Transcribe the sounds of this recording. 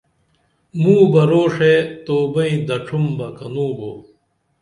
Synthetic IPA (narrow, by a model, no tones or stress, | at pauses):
mũːbɐɾoːʂet̪oːbɐĩd̪ɐʈ͡ʂʰumbɐkɐnũːboː